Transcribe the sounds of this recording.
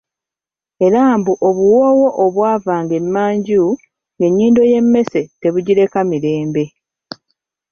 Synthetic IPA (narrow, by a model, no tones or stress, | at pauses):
e̞ɾaːmbuʔoβuwoːwo̞ʔoβwaːvaːŋɡe̞mːaːɲɟu | ŋɡe̞ɲːiːndo̞je̞mːe̞se̞te̞βuɟiɾe̞kamiɾe̞ːmbe̞